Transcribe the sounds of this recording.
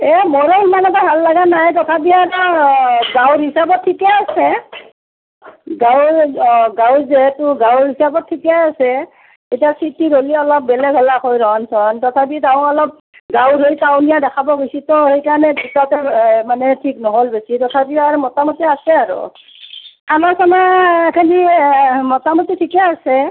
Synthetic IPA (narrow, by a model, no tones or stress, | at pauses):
ɛmɔɹɔlmanataɦalːaɡanajtɔtʰap̬iataɡawɹɦisabɔt̚ʰːikɛasɛ | ɡawɡawzɛɦɛtʊɡawɹɦisabɔt̚ʰːikɛasɛ | ejtiasitiɾoliɔlɔp̚bɛlɛɡʱɔlaxojɾɔnsɔntɔtʰap̬iɡawɔlɔp̚ | ɡawɾʱojkawnijadɛkʰabɔɡositɔhejkaɹnɛɡʰisatɛmanɛtʰiknɔɦolbesitɔtʰapiaɹmɔtamotiasɛaɹʊ̰ | amasɔnaekʰenimɔtamotitʰikɛasɛ